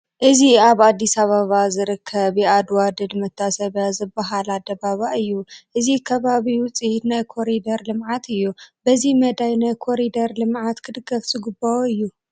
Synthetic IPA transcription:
ʔɨziaβad̪ːisɐβaβazɨɾɨkʰːɐβiad̪wad̪ɨlmɐt̪ʰːasɐβjazɨbːɐɦalad̪ɐbaβaʔɨjːuʔɨzikʰɐβaβiwʊt͡sʼihnajkʰo̞ɾid̪ɐɾlɨmʕat̪ʰɨjːubɐzimɐd̪ajnajkʰo̞ɾid̪ɐɾlɨmʕat̪kʰɨd̪ɨɡɐfzɨɡɨbːɐoɨjːu

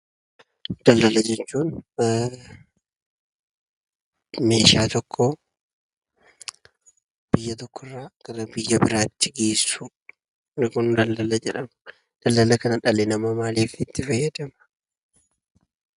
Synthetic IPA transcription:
d̪̥ɐlːɐlɐd͡ʒɛt͡ʃːuːn | me̞ːʃaːt̪ɔkʰːɔ | b̥ɪjːɐt̪ɔkʰːɔrːaːɡ̥ɐɾɐbɪjːɐbɪɾaːt̪ːɪɡeːsːʊ | nɪkʊnd̪ɐlːɐlɐd͡ʒɛᶑɐm | d̪̥ɐlːɐlɐkɐnɐᶑɐlɛnɐmɐmaːliːfɪt̪ːɪfɐjːɐd̪ɐmɐ̥

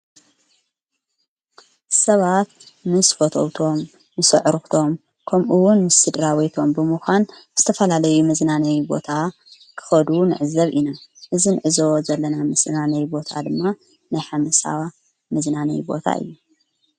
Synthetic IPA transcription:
sɐβat̪̚mɨsfot̪ʰo̰wt̪ʰo̞mː | ɨsɨʕɾɨxt̪ʰo̞m | kʰɐmʔuwʊnmɨsɨd̪ɾawit̪ʰo̞mbɨmɨxʷanz̥ɨt̪ʰɐfɐlalɐjumɐznanɐjbo̞̰t̪ʰa | kʰɨ̥xɐd̪unɨʕɨzɐβʔinaʔɨzinɨʕɨzowzɐlːɐnamɨsnanɐjbo̞t̪ʰa̰d̪ɨmːa | najħamɐsa̰wa | mɐznanɐ̰jbo̞̰t̪ʰa̰ʔɨ̰jːu

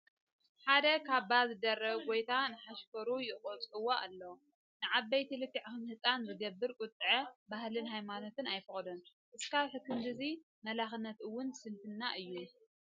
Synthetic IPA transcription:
ħad̪ɐkʰaβbazɨd̪ɐrːɐβɡo̞jt̪ʰanɨħaʃkɐɾujɪχʼot͡sʼɨwoʔa̰lːɐw | nɨʕabːɐjt̪ʰɨlɨkːɨʕxɨnhɨt͡sʼanzɨɡɐbːɨɾkʼʊt̪ʼːɨʕɐbahlɨnɦajmano̞t̪ɨnajfɨxʼɐd̪ɐn | ʔɨskʰaβħɨkːɨmd̪ɨzi | mɐlaxɨnːɐt̪ɨwːʊnsɨnfɨnːaʔɨjːu

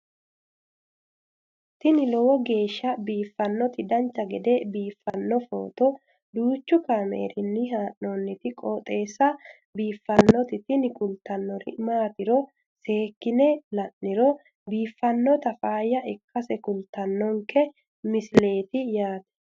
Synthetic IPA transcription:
t̪ɪnɪlɔwɔɡe̞ːʃːɐbiːfːɐnːɔt̪ɪd̪ɐnt͡ʃːɐɡɛd̪ɛbiːfːɐnːɔfo̰ːt̪ɔ | d̪uːt͡ʃːʊkaːmḛːɾɪnːɪɦaːʔnonːɪt̪ɪkʼɔːt̪ʼe̞ːsːɐ | biːfːɐnːɔt̪ɪt̪ɪnɪkʊlt̪ɐnːɔɾɪ̰maːt̪ɪɾɔ | se̞ːkːɪnɛlɐnːɪɾɔ | biːfːɐnːɔt̪ɐfaːjɐɛkːɐsɛkʊlt̪ɐnːɔŋkɛ | mɪsle̞ːt̪ɪjaːt̪ɛ̥

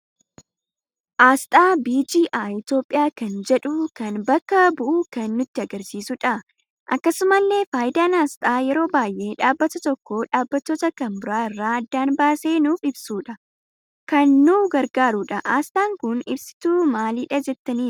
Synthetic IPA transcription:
ʔaːst̪ʼaːbiːd͡ʒiːʔaːɪt̪jo̞ːpʼːɪjaːkɐnd͡ʒɛᶑukɐnbɐkːɐbʊʔuːkɐnːʊt̪ːɪɐɡɐɾsiːsʊᶑɐ | ʔɐkːɐsʊmɐlːe̞ːfaːjɪd̪aːnaːst̪ʼaːjɛɾo̞ːbaːjʔe̞ːᶑaːbːɐt̪ɐt̪ɔkːoːᶑaːbːɐt̪ːoːt̪ɐkɐmbʊɾaːɪrːaːɐd̪ːaːnbaːse̞ːnuːfɪbsuːᶑɐ | kɐnːuːɡɐɾɡaːɾuːᶑɐʔaːst̪ʼaːŋkʊnɪbsɪ̥t̪uːmaːliːᶑɐd͡ʒɛt̪ːɐniː

